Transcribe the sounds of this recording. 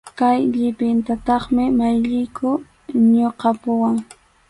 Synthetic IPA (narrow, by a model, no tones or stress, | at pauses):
kajʎɪpɪnt̪at̪ɑχmɪmajʎɪjkʊ | ɲoqɑpʊwaŋ